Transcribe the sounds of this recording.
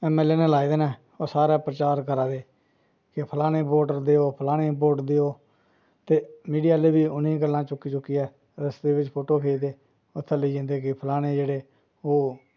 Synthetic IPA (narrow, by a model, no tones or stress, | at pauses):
ɛːmɛːleːnẽːlaːid̪eːnɛː | oːsaːɾaːpɾət͡ʃaːɾkəɾaːd̪eː | kɪpʰəlaːɽ̃ẽːpoːʈəɾd̪eːoːpʰəlaːɽeːpoːʈd̪eːoː | t̪eːmiːɖijaːleːbiːʊnĩːɡəlːãːt͡ʃʊkːiːt͡ʃʊkːiːɛː | ɾəsd̪eːʋɪt͡ʃpʰoːʈoːkʰeːd̪eː | ʊt̪ʰːeləiːd͡ʒɪ̃nd̪eːkɪpʰəlaːɽ̃eːd͡ʒeːɽeː | oː